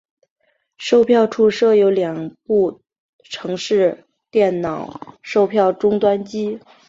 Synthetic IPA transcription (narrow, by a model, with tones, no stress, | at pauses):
ʂo˥˧ʊpʰjɑ˥˧ʊʈ͡ʂʰu˥˧ʂɤ˥˩jo˧˥ʊljɑ˨˩ŋpu˥˩ | ʈ͡ʂʰɤ˧˥ŋʂɻ̩˥˩˧ | t̪jɛ˥˩nnɑ˨˩˦ʊʂo˥˧ʊpʰjɑ˥˩ʊʈ͡ʂʊ˥ŋt̪wa˥nt͡ɕi˥